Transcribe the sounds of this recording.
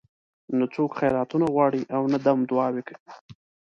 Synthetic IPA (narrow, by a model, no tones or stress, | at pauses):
nat͡sokxajɾɑt̪unaɣwɑɽiʔawnad̪amd̪ʊɑweki